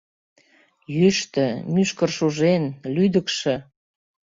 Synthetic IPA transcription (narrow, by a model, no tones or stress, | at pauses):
jyʃt̪ə̆myʃkərʃuʒenlyd̪ə̆kʃĕ